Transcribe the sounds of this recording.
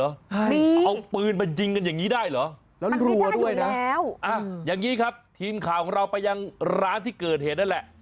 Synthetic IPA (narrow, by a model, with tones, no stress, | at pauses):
ɔː˨˦˥ʔa˧wpɯː˧npa˧jt͡ɕi˧ŋka˧njaː˨˩ŋːiː˦˥daː˥˩jlɔː˨˦˥ | lɛː˦˥ɾu˧ə˧du˥˩əjn˦˥ɛː˦˥wʔa˧˩jaː˨˩ŋːiː˦˥kʰa˦˥p̚t̪ʰiː˧mkʰaː˨˩wkʰɔː˨˩˦ŋɾa˧wpa˧jːa˧ŋɾaː˦˥nt̪ʰiː˥˩kɤː˨˩t̪̚heː˨˩t̪̚na˥˩lɛ˨˩ʔ